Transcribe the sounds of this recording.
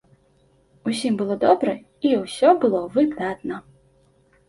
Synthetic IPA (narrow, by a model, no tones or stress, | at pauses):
usʲimbɨlˠɔd̪ɔbɾɛ | iwsʲɔbɨlˠɔvɨd̪at̪nɐ